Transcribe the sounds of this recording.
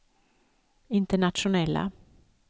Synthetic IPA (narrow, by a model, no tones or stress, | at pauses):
ɪnt̪əɳat̪ʂʊnɛlːa̰